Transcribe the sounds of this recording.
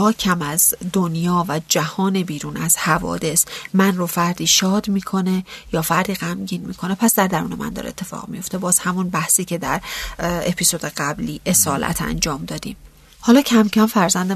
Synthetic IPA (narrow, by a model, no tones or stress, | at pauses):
ɒːcʰæmæzd̪onjɒːvæd͡ʒæhɒːne̞biːɾuːnæz̥hævɒ̰ːd̪e̞smænrofæɾd̪iːʃɒːd̪miːkʰo̞ne̞jɒːfæɾd̪iːɣæmɟiːnmiːkʰo̞ne̞pʰæsd̪æɾd̪æɾṵːnemæ̰nd̪ɒ̰ɾḛt̪ʰːe̞fɒ̰ːʁ̥mijo̞ft̪e̞bɒːz̥hæmunbæhsiːcʰe̞d̪æɾepʰisod̪eɢæbliːʔe̞sɒːlʔæ̰t̪ʰæ̰nd͡ʒɒːmd̪ɒːd̪̥ḭːm | hɒːlɒːcʰæmcʰæmfæɾzænd̪e